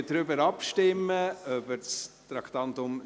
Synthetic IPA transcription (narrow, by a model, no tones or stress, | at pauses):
dɾʏbəɾɑpʃtɪmːəœbəst̪ɾɑkt̪ɑnt̪ʊm